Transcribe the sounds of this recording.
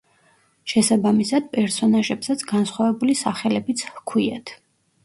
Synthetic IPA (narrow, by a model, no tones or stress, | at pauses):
ʃɛsabamisad̪̥̚pʼɛɾsɔnaʒɛbsat̪sʰɡansχwavɛbulisaχɛlɛbit̪sʰhkʰwiat̪ʰ